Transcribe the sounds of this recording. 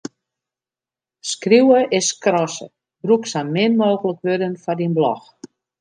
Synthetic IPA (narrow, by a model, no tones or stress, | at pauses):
skriwəʔɪskrɔsə̰ | b̥ruksanmɪnmoːɣələkʋødənfɔdinblɔ̰x